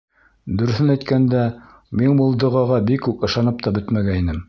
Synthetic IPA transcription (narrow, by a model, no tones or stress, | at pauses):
d̪ɵ̆ɾ̆θɘnæjt̪kænd̪æ | minbulˠd̪ɤ̆ʁɑʁɑbikːʉkɤ̆ʃɑnɤp̚t̪ɑbɵt̪mæɡæinɘm